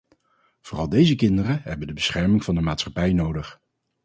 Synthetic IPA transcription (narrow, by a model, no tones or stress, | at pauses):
v̥ʊːrɑlˠdejzəkɪndərəɦɛbəndəbəsχɛɹmɪŋv̥ɑndəmaːtsχɑpɛjnowdəχ